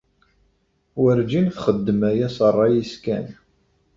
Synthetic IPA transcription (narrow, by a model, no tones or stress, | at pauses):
wəɾd͡ʒinθχəd̪ːəmæjæsərˤːɑjiskæ̰n